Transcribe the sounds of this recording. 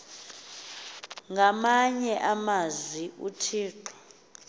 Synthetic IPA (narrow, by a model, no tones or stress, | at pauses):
ŋɡʱamaɲɛʔamazwiṵtʰiːǃɔ̥